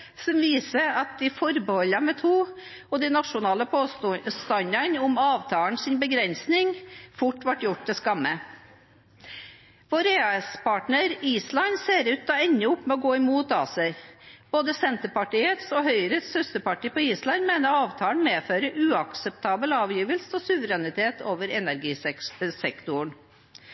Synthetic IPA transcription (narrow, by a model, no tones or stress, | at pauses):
sɔmʋiːsəɑt̪̚d̪ɪfɔɾbəhɔlːɑmɛt̪ʰuː | ɔd̪ɛɪnɑʂʊnɑːləpʰoːst̪ɑnɑnʊmɑːʋt̪ʰɑːəɳsɪnbəɡɾɛnsnɪŋfʊʈːʋɑʈjʊʈ̚d̪ɛskɑmːə | ʋoːɾeɑspɑːʈɳəɾiːslɑnseːɾʉːt̪̚ɑːɛnːəʊpːmɛɔɡoːɪmuːt̪ɑːsəb̥oːd̪əsɛnt̪əpɑʈiːət̪sohœʏəɾəsœst̪əpɑʈiːpɔiːslɑnmeːnəɑːʋt̪ʰɑːəɳ̩meːføːɾəʔʉːɑksəpt̪ʰɑːbəlɑːʋjiːʋəlsəɔsʉʋəɾɛnɪt̪ʰeːt̪ʰoːʋəɾɛnæɾɡiːsɛkt̪ʊɳ